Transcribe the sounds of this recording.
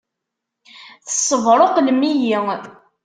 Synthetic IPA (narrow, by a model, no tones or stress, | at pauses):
θə̥sˤːəvɾˤoqlmːijiŋ